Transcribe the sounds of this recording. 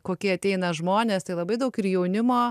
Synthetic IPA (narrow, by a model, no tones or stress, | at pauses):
koːkʲiːɐt̪ʲɛɪnɐʒmoːnʲeːst̪ɐɪlˠɐbɐɪd̪ɐʊkɪɾjɛʊnʲɪmoː